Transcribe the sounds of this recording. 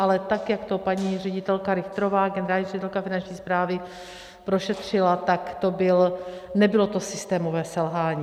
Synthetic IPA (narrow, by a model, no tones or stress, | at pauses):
ʔalɛt̪akjakt̪o̞paɲiːr̝ɛɟɪt̪ɛlkaɾɪxt̪ɾovaːɡɛnɛɾaːlɲirɛɟɪt̪ɛlkafɪnant͡ʃɲiːspɾaːvɪ | pɾoʃɛt̪r̝̥ɪlat̪akt̪o̞bɪlnɛbɪlot̪o̞sɪst̪ɛːmovɛːsɛlɦaːɲiː